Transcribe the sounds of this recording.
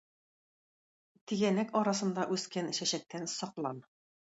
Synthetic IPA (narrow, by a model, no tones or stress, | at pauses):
t̪iɡænækɒɾɑsɤ̆nd̪ɑʔʉskænɕæɕæk̚t̪ænsɒqlˠɑn